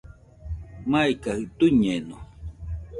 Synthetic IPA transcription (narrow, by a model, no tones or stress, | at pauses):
majkahɨʔt̪uɲeno